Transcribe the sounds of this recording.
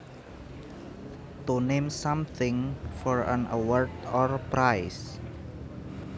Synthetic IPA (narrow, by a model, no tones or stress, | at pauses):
t̪unemsamθʰɪŋfɔɾə̰nəwɔɹdɔrpɾajs